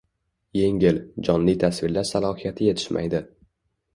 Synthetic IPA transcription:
je̞ŋʲɪld͡ʒɒnlijt̪ʰasvɪɾlaɾsalˠɒhijat̪ʰɪje̞t̪ʰɪ̥ʃmʔa̰jd̪ɪ

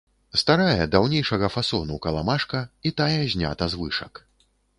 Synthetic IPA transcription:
st̪aɾajɛd̪awnʲejʂɐɣɐfasɔnukɐlˠamaʂkɐit̪ajɛzʲnʲa̰t̪ɐzvɨʂɐk

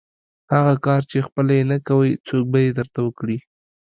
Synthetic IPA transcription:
haɣakɑɾt͡ʃexpəlajenakawəjt͡sok̚bajed̪əɾt̪awəkɽi

